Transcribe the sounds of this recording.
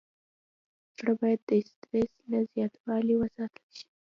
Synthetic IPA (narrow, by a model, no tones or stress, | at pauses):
zɽəbɑjad̪ːəɪst̪ɾeslazjɑt̪wɑliwəsɑt̪ʰəlʃi̥